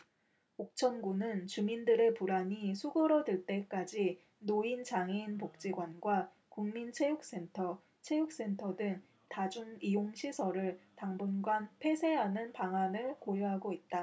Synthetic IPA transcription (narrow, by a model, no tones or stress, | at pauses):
ok̚t͡ɕʰʌnɡunɯnt͡ɕumindɯɾe̞puɾaɲisʰuɡɯɾʌdɯɭt͈e̞k͈ad͡ʑi | noint͡ɕaŋinpok̚t͡ɕ͈iɡwanɡwa | kuŋmint͡ɕʰe̞juk̚s͈e̞ntʰʌ | t͡ɕʰe̞juk̚s͈e̞ntʰʌdɯŋ | tad͡ʑuŋijoŋɕʰisʰʌɾɯɭtaŋbunɡwanpʰe̞sʰe̞ɦanɯnpaŋanɯɭkojʌɦaɡoit̚t͈a